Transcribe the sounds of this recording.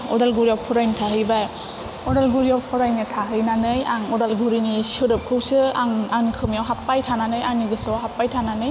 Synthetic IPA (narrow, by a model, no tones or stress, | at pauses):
ɔdalɡuɾiawpʰɔɾajnitʰaɦɯjbaj | ɔdalɡuɾijawpʰɔɾajnɯtʰaɦɯjnanɯjaŋɔdalɡuɾiniesɯɾɯp̚kʰɯwsɯaŋankʰɯmjawɦapːajtʰananɯjaniɡɯsawɦapːajtʰananɯj